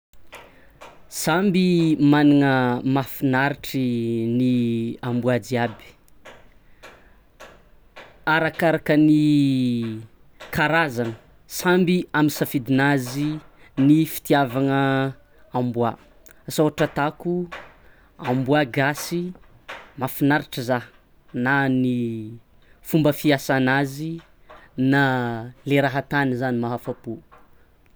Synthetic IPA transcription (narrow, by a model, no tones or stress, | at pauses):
sambimaniŋəmafinaɾiʈ͡ʂiniambuad͡ziabi̥ | aɾakaɾakəni | kaɾazanə | sambiaminsafid̪inazinifi̥t̪iavaŋə | ambua̰ | sawaʈ͡ʂət̪aku | ambuaɡasi | mafinaɾiʈ͡ʂəza | nani | fumbəfiasanazi | naleɾaɦat̪anizanimaɦafapu